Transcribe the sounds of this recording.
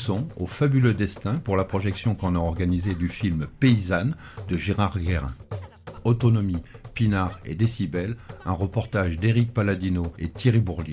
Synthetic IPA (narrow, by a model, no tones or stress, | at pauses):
sɔ̃ofabylød̪ɛst̪ɛ̃puʁlapχɔʒɛksjɔ̃kɑ̃naɔʁɡanized̪yfilmpeizan | d̪əʒeʁaʁɡʲɛʁɛ̰̃ | ɔt̪ɔnɔmipinaʁḛd̪esibɛlɛ̃ʁəpɔʁt̪aʒd̪eʁik̚palad̪inoet̪jeʁibuʁlje